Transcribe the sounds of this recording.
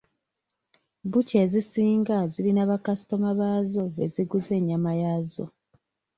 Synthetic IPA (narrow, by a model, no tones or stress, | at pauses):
buce̞ːzisiːŋɡaziɾinaβakasi̥to̞maβaːzo̞βe̞̰ziɡuze̞ːɲamajazo̞̰